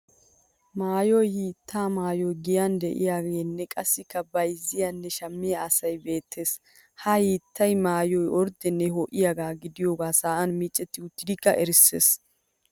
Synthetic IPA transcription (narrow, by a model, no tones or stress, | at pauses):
maːjɔjhiːt̪ːaːmaːjɔjɡɪjand̪ɛʔɪ̰jaːɡeːnːɛkʼɐsːɪkːɐbɐjzːɪjanːɛʃɐmːɪjaɐsɐjbe̞ːt̪ʰːe̞ːs | hɐhiːt̪ʰːɐjmaːjɔjɔɾd̪ɛnːɛɦɔːʔɪjaɡaːɡɪd̪ɪjoːɡaːsaːʔɐnmiːt͡ʃʼːɛt̪ːɪʊt̪ːɪd̪ɪkːɐʔɛɾɪsːḛːs